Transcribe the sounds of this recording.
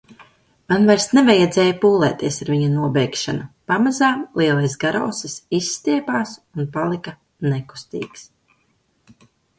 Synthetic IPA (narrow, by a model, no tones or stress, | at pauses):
manvajɾsnevajad̪zɛːjapuːlˠɛːt̪iɛsaɾviɲunuɔbɛjkʃanupamazaːmlˠiɛlˠajsɡaɾɔ̰wsisisːt̪iɛpaːsunpalˠika | nɛku̥st̪ḭːks